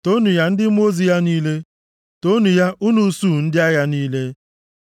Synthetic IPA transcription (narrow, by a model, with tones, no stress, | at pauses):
to˦nu˨ja˦n̩˦dɪ˦m˦o˦zi˨ja˦niː˦le˦ | to˦nu˨ja˦ʔu˦nu˦su˦˨n̩˦dɪ˦a˦ja˦niː˦le˦